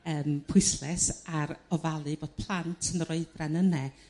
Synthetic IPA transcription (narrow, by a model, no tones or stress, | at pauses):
əːmpʰʊɨslɛsaɾɔvalˠɨboːd̥̚pʰlˠantʰənroɨdranənɛ